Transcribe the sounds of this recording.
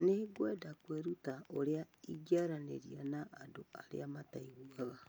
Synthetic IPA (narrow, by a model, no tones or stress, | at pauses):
neɡwedakweɾutaoɾeaid͡ʒaɾanḛɾianaʔːdoaɾḛamataiɣuaɣa